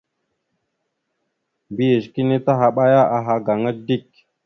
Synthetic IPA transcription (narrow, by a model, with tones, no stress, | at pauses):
bi˦ji˨ʃki˦ni˦ta˦ɦa˨ɓa˦ja˦ʔa˨ɦa˨ɡa˨ŋa˦di˦˨k̚